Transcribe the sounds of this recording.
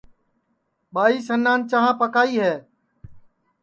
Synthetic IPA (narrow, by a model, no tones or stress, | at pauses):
ɓaːiːsənːaːnt͡ʃəɦãːpəkaːiːɦɛː